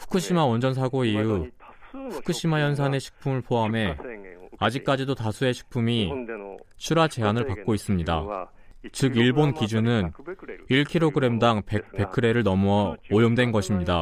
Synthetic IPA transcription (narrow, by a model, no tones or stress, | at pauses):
ɸʰu̥kʰɯɕ͈imawʌnd͡ʑʌnsʰaɡoiju | ɸʰu̥kʰɯɕ͈imajʌns̬ʰane̞ɕʰi̥k̚pʰumɯɭpʰoɦame̞ | ad͡ʑik̚k͈ad͡ʑidotasʰue̞ɕʰi̥k̚pʰumi | t͡ɕʰuɾat͡ɕe̞ɦanɯɭpak̚k͈ois͈ɯmɲida̰ | t͡ɕɯɡiɭbonkid͡ʑunɯniɭkʰiɾoɡɯɾe̞mdaŋpepe̞kʰɯɾe̞ɾɯɭnʌmuːjomdwe̞nɡʌɕʰimɲida